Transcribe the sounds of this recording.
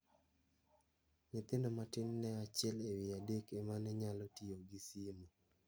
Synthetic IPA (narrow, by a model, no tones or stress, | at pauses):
ɲɪt̪ɪndɔmatɪnːɛat͡ʃɛlewɪadekemanɛɲalɔtioɡisimu